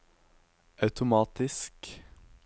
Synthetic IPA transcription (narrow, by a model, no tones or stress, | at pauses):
ʔɑʉt̪ʊmɑːt̪ɪsk